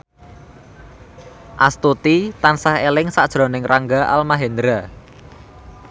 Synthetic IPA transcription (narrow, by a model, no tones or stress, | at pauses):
ʔast̪ut̪it̪ansahelɪŋsaʔd̥ʒ̥ɾo̤nɪŋraŋɡaʔa̰lmaɦend̪ɾa